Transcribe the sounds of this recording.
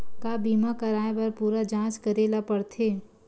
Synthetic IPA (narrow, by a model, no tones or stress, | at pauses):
kabiːmakɐɾaːẽbɐɾpuːɾad͡ʒãːt͡ʃkɐɾeːlapɐɽt̪ʰeː